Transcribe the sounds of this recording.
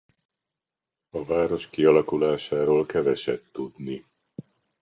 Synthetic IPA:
ɒvaːɾo̞ʃkiɒlɒkulaːʃaːɾoːlkɛvɛʃɛt̪ːud̪ni

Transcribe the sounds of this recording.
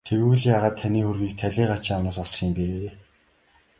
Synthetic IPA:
t̪ʰewɘ̆wɘ̆ɮjaːʁaːt̪ʰːaniːxurɣiːk̚t̪ʰæɮʲeːɢat͡ɕĭŋanʊːsɔɮsiːmpeː

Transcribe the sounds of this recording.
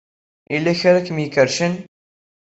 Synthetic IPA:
ʔilːæçəɾækmjəkəɾʃən

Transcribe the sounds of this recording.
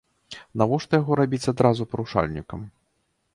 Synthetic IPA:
navɔʂt̪ɔjaɣɔɾabʲit͡sʲad̪ɾazupɐɾuʂa̰lʲnʲikɐm

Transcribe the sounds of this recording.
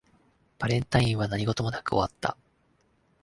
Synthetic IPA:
b̥aɾẽ̞nt̪aĩɰ̃β̞anaɲ̟iɡo̞t̪o̞mo̞nakɯ̟o̞̰βat̪ːa̰

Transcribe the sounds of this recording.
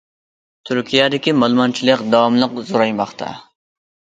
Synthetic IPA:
t̪ʰyɾkʲʰijɛd̪ɪkʲimɑlˠmɑnt͡ʃʰilˠəqd̪ɑwɑmlˠəqzoɾɑjmɑχt̪ʰɑ̰

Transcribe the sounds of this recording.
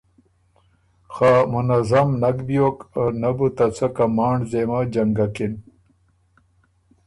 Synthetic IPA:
xaːmunɐzɐmnɐkbijoːkənɐbut̪ɐt͡sʰɐkɐmaːɳɖzemad͡ʑɐŋɡakin

